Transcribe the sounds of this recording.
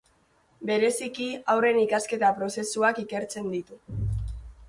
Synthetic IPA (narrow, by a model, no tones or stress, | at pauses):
be̞ɾe̞sikiawre̞nikaske̞t̪apɾo̞se̞suakike̞ɾt͡se̞nd̪it̪u